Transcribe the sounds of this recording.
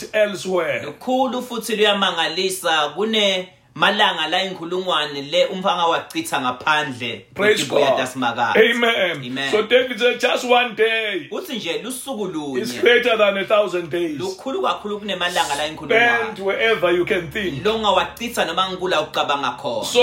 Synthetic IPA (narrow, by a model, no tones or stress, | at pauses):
ɛlswɛlukʰulufutʰilujamaŋalisak̬unɛ | malaŋalajiŋkʰuluŋwanɛlɛʔum̩faŋawaǀitʰaŋapʰand͡ɮʱɛpʰreziɡɛjaasimak̬a̰ːemɛnemɛsodevidsɛd͡ʒastwandejk̬utʰind͡ʒʱɛlusuk̬uluːisɲlɛt͡ʃʼaðãnɛθawzɛ̃ndejlukʰuluk̬akʰuluk̬unɛmalaŋalajiŋkʰʼuluɛanntwɛɛvəjukʰɛ̃nθĩŋlɔŋawaǀitʰanɔmaŋkulaok̬uǃaɓaŋakʰɔ̰ːnsa